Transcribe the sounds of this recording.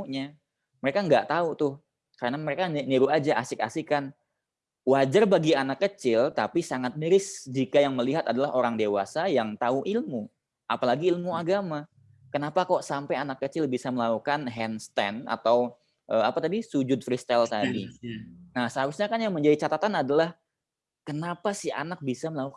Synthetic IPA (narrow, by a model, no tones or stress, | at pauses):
uɲa | məɾekaŋɡaʔt̪aut̪ʊh | kaɾənaməɾekanniɾuʔad͡ʒaʔasɪka̰sɪkan | wad͡ʒarbaɡianakːət͡ʃɪlt̪apisaŋat̪̚nəɾɪsd͡ʒikajaŋməliɦat̪adalaɦoɾaŋdewa̰sajaŋt̪auʔilmu | ʔapalaɡiːlmuaɡama | kənapakaoʔsampajanakːət͡ʃɪlbisaməlakukanɦɛnst̪ɛna̰t̪aw | ʔəapat̪adisud͡ʒʊt̪̚fɾist̪alt̪adinahsəɦabɪsɲakanjaŋməɲd͡ʒadit͡ʃat̪at̪anadalah | kənapasɪa̰nak̚bisaməlakuk